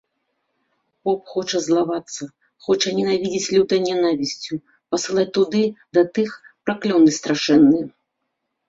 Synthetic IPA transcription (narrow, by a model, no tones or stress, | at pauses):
pɔpxɔt͡ʂɐzlˠavat̪sːɐ | xɔt͡ʂɐnʲɛnavʲid͡zʲit͡sʲlʲut̪ɐjnʲanavʲisʲt͡sʲu | pɐsɨlˠat͡sʲt̪ud̪ɨd̪ɐt̪ɨx | pɾaklʲɔwnɨst̪ɾaʂɛnːɨ